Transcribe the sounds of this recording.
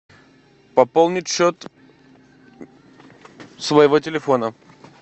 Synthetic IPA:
pɐpolˠnʲɪtʲɕot̪ | svəjɪvotʲɪlʲɪfonə

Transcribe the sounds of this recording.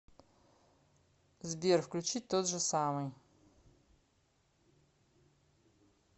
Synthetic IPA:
zbiɾwklʲut͡ʃit̪ot̪ʒɛsaːmɛj

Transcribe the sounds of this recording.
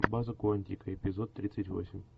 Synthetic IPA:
bazəkʊɐnʲt̪ʲikəepʲɪzot̪ːɾʲit̪sɨtʲvo̰sʲɪmʲ

